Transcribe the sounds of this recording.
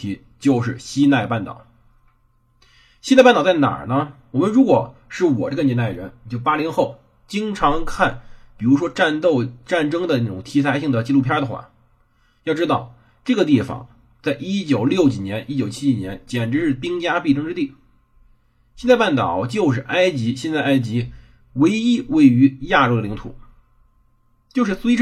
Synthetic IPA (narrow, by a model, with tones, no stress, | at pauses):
i˧˥ | t͡ɕjo˥˧ʊʂɻ̩˥˩ɕi˥t̪a˥˧ɪpa˥˩nt̪ɑ̰˨˩˦ʊ | ɕi˥˧pnt̪t͡sa˥˩na̰˨˩nə˦wɔ˨˩mə˦nɻu˧˥kwɔ˨˩ʂɻ̩˥˩wɔ̰˨˩ʈ͡ʂɡə˧njɛ˥nt̪a˥˩ɪɻə˧˥n˨t͡ɕjo˥˩ʊpa˥li˧˥nxo˥˩ʊ | t͡ɕi˥ŋʈ͡ʂʰɑ˧˥ŋkʰa˥˩npi˨˩ɻu˧˥ʂwɔ˥ʈ͡ʂa˥˧nt̪o˥˧ʊʈ͡ʂa˥˩nʈ͡ʂɤ˥ŋd̪ə˨na˥˩ʈ͡ʂʊ˨˩ŋt̪ʰi˧˥t͡sʰa˧˥ɪɕi˥˩ŋd̪ə˩t͡ɕi˥˧lu˥˩pʰjɑ˥d̪ə˨˩xwa̰˥˩ | jɑ˥˩ʊʈ͡ʂɻ̩˥t̪ɑ˥˧ʊ | ʈ͡ʂɤ˥˩ɡə˩t̪i˥˩fɑ̰˨˩˦ŋ | t͡sa˥˩ɪʔi˥t͡ɕjo˨˩ʊljo˥˩ʊt͡ɕi˨˩njɛ˧˥nʔi˥t͡ɕjo˨˩ʊt͡ɕʰi˥t͡ɕi˨˩njɛ˧˥nt͡ɕjɛ˨˩nʈ͡ʂɻ̩˧˥ʂɻ̩˥˩pi˥ŋt͡ɕja˥pi˥˩ʈ͡ʂɤ˥ŋʈ͡ʂɻ̩˥t̪i˥˩ | ɕjɛ˥˧nt͡sa˥˧pa˥˩nt̪ɑ̰˨˩˦ʊt͡ɕjo˥˧ʊʂ̬ɻ̩˥˩ʔa˥ɪt͡ɕi˧˥ɕjɛ˥˧nt͡sa˥˧ɪa˥ɪt͡ɕi˧˥ | we˧˥ɪi˥we˥˩ɪy˧˥ja˥˧ɻo˥˩˧d̪ə˨li˧˥ŋt̪ʰṵ˨˩˦ | t͡ɕjo˥˧ʊʂɻ̩˥˩swe˥ɪʈ͡ʂ